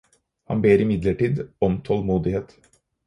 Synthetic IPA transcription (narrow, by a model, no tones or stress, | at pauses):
hɑ̰nbeːɾɪmɪd̪ləʈiːd̪ɔmt̪ʰɔlmuːd̪ɪheːt̪